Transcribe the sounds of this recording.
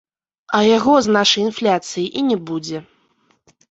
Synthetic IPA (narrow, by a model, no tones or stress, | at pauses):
ɐjaɣɔznaʂɐjinflʲat̪sɨjiʔinʲɛbud͡zʲɛ